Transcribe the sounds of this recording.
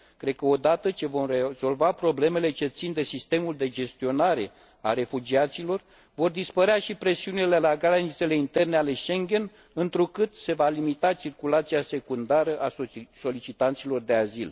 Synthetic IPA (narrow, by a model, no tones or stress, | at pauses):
kɾe̞d̪̚kəo̞d̪at̪ət͡ʃe̞vo̞mrez̥o̞lvapɾo̞ble̞me̞le̞t͡ʃe̞t̪sind̪e̞sist̪e̞muld̪e̞d͡ʒe̞st̪io̞naɾe̞ | a̰re̞fud͡ʒiat̪silo̞r | vo̞rd̪ispəɾeaʃipɾe̞siunile̞laɡaɾanit̪se̞le̞int̪e̞rneale̞ʃe̞ŋɡʲe̞n | ɨnt̪ɾukɨt̪se̞valimit̪at͡ʃirkulat̪siase̞kund̪aɾəʔaso̞lit͡ʃit̪ant̪silo̞rd̪e̞azil